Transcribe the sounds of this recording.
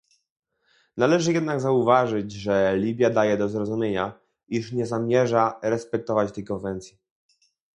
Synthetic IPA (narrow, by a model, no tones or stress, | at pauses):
nalɛʐɘjɛd̪naɡzauvaʐɘd͡ʑʐɛlʲibʲjad̪ajɛd̪ɔzɾɔzumʲjeɲa | iʂɲɛzamʲjɛʐaɾɛspɛk̚t̪ɔvat͡ɕt̪ɛjkɔnvɛnt̪sʲji